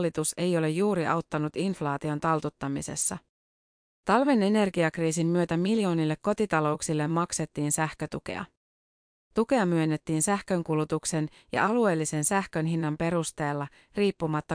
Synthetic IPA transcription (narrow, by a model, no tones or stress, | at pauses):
lːit̪use̞jo̞le̞jːuːɾiʔɑwt̪ːɑnut̪inflɑːt̪io̞nt̪ɑlt̪ut̪ːɑmise̞̰sːɑ | t̪ɑlʋe̞ne̞ne̞rɡiɑkriːsimːyø̞t̪æmiljo̞ːnilːe̞kkːo̞t̪it̪ɑlo̞uksilːe̞mːɑkse̞t̪ːiːnsæhkø̞t̪uk̟e̞̰ɑ̰ | t̪uke̞ɑmyø̞nːet̪ːiːnsæhkø̞ŋkulut̪ukse̞n | jɑ̰ʔɑlue̞ːlːise̞nsæhkø̞nɦinːɑmpe̞ɾust̪e̞ːlːɑ | riːpːumɑt̪ːɑ